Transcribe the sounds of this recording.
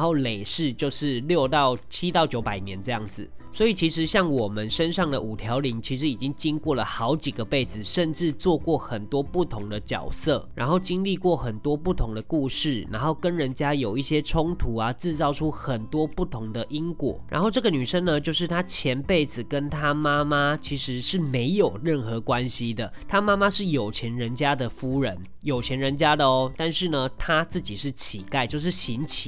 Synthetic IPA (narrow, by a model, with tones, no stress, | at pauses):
o˥˩ʊle˨˩ɪʂɻ̩˥˧t͡ɕjo˥˧ʊʂɻ̩˥˨ljo˥˧ʊt̪ɑ˥˩ʊt͡ɕʰi˦˥t̪ɑ˥˩ʊt͡ɕjo˧˥ʊpa˨˩ɪnjɛ˧˦nʈ͡ʂɤ˥˧jɑ˥˩ŋd͡zɹ̩˩swɔ˧˥i˨˩t͡ɕʰi˧˥ʂɻ̩˧˦ɕjɑ˥˩ŋwɔ˨˩mə˨˦nʂə˦nʂɑ˥˩ŋd̪ə˨u˨˩t̪ʰjɑ˧˥ʊli˧˥ŋt͡ɕʰi˧˥ʂɻ̩˧i˨˩t͡ɕi˦˥ŋt͡ɕi˥ŋkwɔ˥˩lə˩xɑ˧˦ʊt͡ɕi˨˩ɡə˦pe˥˩ɪd͡zɹ̩˨˩ʂə˥˧nʈ͡ʂɻ̩˥˧t͡swɔ˥˧kwɔ˥˩xə˨˩nt̪wɔ˥pu˥˩t̪ʰʊ˧˥ŋd̪ə˨t͡ɕjɑ̰˨˩ʊsɤ̰˥˩ɻa̰˧˥nxo˥˩ʊt͡ɕi˥nli˥˧kwɔ˥˩xə˨˩nt̪wɔ˥pu˥˩t̪ʰʊ˧˦ŋd̪ə˨ku˥˧ʂɻ̩˥˩na˧˥nxo˥˩ʊkə˦nɻə˧˦nt͡ɕja˦˥jo˨˩ʊi˥˩ɕjɛ˥ʈ͡ʂʰʊ˥ŋt̪ʰu˧˥a˨t͡sɻ̩˥˧t͡sɑ˥˩ʊʈ͡ʂʰu˦xə˨˩nt̪wɔ˥pu˥˩t̪ʰʊ˧˥ŋd̪ə˨ʔi˥ŋkwɔ̰˨˩ɻa̰˧˥nxo˥˧ʈ͡ʂɤ˥˩ɡə˨ny˨˩ʂə˥ŋnə˨t͡ɕjo˥˧ʊʂɻ̩˥˩t̪ʰa˥t͡ɕʰjɛ˨˧˥npe˥˩ɪd͡zɹ̩˨˩kə˦˥nt̪ʰa˥ma˥ma˦t͡ɕʰi˧˥ʂɻ̩˧˦ʂɻ̩˥˩me˧˥ɪjo˨˩ʊɻə˥˩nxɤ˨˧˥kwa˦˥nɕi˦d̪ə˨t̪ʰa˥ma˥ma˦ʂɻ̩˥˩jo˨˩ʊt͡ɕʰjɛ˨˧˥nɻə˧˦nt͡ɕja˥d̪ə˨fu˥ɻə˧˦n | jo˨˩ʊt͡ɕʰjɛ˨˧˥nɻə˧˦˥nt͡ɕja˥d̪ə˨ɔ˦t̪a˥˧nʂɻ̩˥˩nə˩t̪ʰa˥t͡sɹ̩˥˩t͡ɕi˨˩ʂɻ̩˥˩t͡ɕʰi˨˩k̪a˥˧ɪt͡ɕjo˥˧ʊʂɻ̩˥˩ɕi˧˥nt͡ɕʰi˨˩˦